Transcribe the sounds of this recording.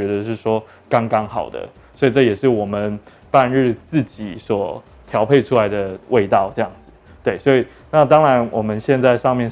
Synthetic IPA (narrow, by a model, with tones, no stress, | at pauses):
ɛ˧˥d̪ə˧ʂɻ̩˥˩ʂwɔ˥ | kɑ˥ŋkɑ˥ŋxɑ˨˩ʊd̪ə̰˦ | swɔ˧˥i˨˩ʈ͡ʂɤ˥˩jɛ˨˩ʂɻ̩˥˩wɔ˨˩mə˦n | pa˥˧nɻɻ̩˥˧t͡sɹ̩˥˩t͡ɕi˨˩˦swɔ˨˩˦ | t̪ʰjɑ˧˥ʊpʰe˥˧ɪʈ͡ʂʰu˥la˧˦ɪd̪ə˨wʔe˥˧ɪt̪ɑ˥˧ʊʈ͡ʂɤ˥˧jɑ˥˩ŋd͡zɹ̩˨˩ | t̪we˥˩ɪswɔ˧˥i˨˩ | na˥˨t̪ɑ˥ŋɻa˧˦˥nwɔ˨˩mə˦nɕjɛ˥˧nt͡sa˥˧ɪʂɑ˥˧ŋmjɛ˥˨n